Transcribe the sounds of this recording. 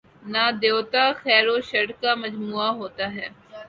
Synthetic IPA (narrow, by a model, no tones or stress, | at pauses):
naːd̪eot̪axɛːɾoʃɐɽkamɐd͡ʒmuːaɦoːt̪aɦɛː